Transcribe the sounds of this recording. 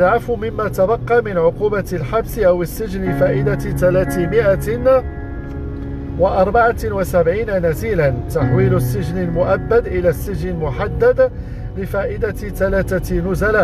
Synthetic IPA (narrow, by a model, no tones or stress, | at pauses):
ʕafumɪmːæt̪abɑqːɑmɪnʕʊquːbalħabsʔawəsːɪʒnɪfaːʔɪd̪at̪ælæːt̪mɪʔan | wɪʔɑɾˤbaʕawasabʕiːnanæziːlant̪aħwiːlʊsːɪʒnəlmʊʔabːad̪ʔɪlæːsːɪʒnɪlmʊħad̪ːad̪ | lɪfaːʔɪd̪a | t̪ælæːt̪anʊzala